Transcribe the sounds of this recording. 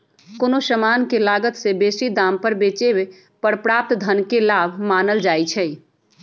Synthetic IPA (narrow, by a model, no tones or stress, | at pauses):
konosəmankelaɡət̪sebesid̪ampəɾbet͡ʃebe | pəɽpɾap̚t̪d̪ʱənkelabʱmanəld͡ʒajt͡ʃʰɛ